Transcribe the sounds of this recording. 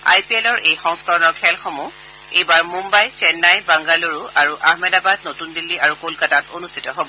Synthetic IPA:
a̰jpiɛlɔɹʔejxɔŋskɔɹɔnɔɹkʰɛlxomu | ejbaɹmumbajt͡ʃɛnːajbaŋɡaloɹuaɹuʔahmɛdabad̚notundilːiaɹukolkatatonustʰitɔɦobɔ

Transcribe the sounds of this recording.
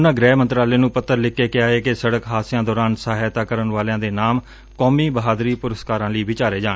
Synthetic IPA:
ʊnãːɡɾɛːmənt̪ɾaːleːnũːpət̪ːəɾlɪkːeːkɪaːeːkɪsəɽəkɦaːsɪjãːd̪ɔːɾaːnsaːɦɛːt̪aːkəɾənʋaːljãːd̪eːnaːm | koːmiːbəɦaːd̪ɾiːpʊɾəskaːɾãːliːʋɪt͡ʃaːɾeːd͡ʒaːeː

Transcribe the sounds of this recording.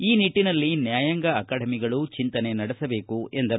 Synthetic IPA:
iːniʈːinɐlːinjaːjɐŋɡɐːkaːɽɐmiɡɐɭut͡ʃint̪ɐne̞nɐɽisɐbe̞ːkue̞nd̪ɐɾ

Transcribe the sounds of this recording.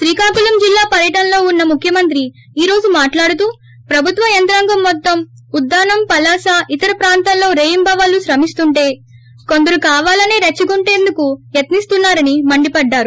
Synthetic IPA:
ʃɾiːkaːkulɐmd͡ʒilːaːpɐɾjɐʈɐnlo̞ːunːɐmukʰːjɐmɐnt̪ɾi | iːɾo̞ːd͡ʒumaːʈlaːɽut̪uː | pɾɐbʱut̪ʋɐjɐnt̪ɾɐːŋɡɐmːɔt̪ːɐm | ud̪ːaːnɐmpɐlaːsaːʔit̪ɐɾɐpɾaːnt̪ɐnlo̞ːɾeːjimbɐʋɐluʃɾɐmist̪uɳʈe̞ː | ko̞nd̪ɐɾukaːʋaːlɐneːɾɐt͡ʃːiɡuɳʈe̞ːnd̪ukujɐt̪nist̪unːaːɾɐnimɐɳɖipɐɖːaːɾu

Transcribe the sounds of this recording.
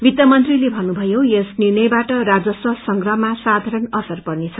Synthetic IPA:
bit̪jʌmʌnt̪rilebʱʌnːubʱʌjojesnirnʌjbaʈʌɾad͡zʌswʌsʌŋɡrʌɦmasad̪ʱaɾʌnʌsʌrpʌrnet͡sʰʌ

